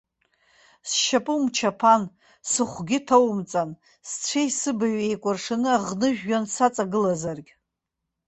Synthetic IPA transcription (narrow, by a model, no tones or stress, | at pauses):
sʃapʼɨmt͡ʃʰapʰan | sɨχʷɡʲɪtʰowmt͡sʼan | st͡sʷʰejsɨbaɥejkʷʼʊrʂanɨaʁnɨʒᶣːansat͡sʼaɡɨlazarɡʲʼ